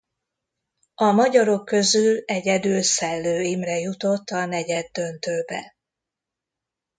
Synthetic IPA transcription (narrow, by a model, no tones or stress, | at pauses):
ɒmɒɟɒɾo̞kːø̞zylɛɟɛd̪ylsɛlːøːimrɛjut̪o̞t̪ːɒnɛɟɛd̪ːø̞nt̪øːbɛ̰